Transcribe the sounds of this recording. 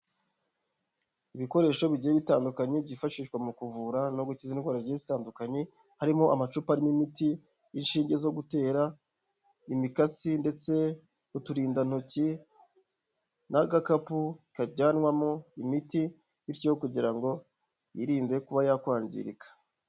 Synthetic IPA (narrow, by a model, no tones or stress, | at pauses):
iβiko̞ɾe̞ːʃo̞βiɟijeβitaːndukaɲebɟiːfaʃiːʃkwamukuvuɾano̞ɡucizinɡwaːɾaɾɟezitaːndukaɲe | haɾimoamat͡ʃupaɾimimitiː | nʃiːɲɟe̞zo̞ɡute̞ːɾa | imikasinde̞t͡se̞ | utuɾiːndanoci | naɡakapuikaɟaːnwamoimiti | βiɾcijokuɟiɾaŋɡo̞ | jiɾiːnde̞kuβajakwaːɲɟḭɾḭkḁ